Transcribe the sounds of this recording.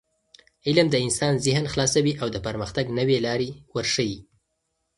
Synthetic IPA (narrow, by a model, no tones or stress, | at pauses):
ɪlamd̪əɪnsɑnzɪɦnxlɑsawiʔawd̪əpəɾməxt̪aɡnəwelɑɾewəɾʂəji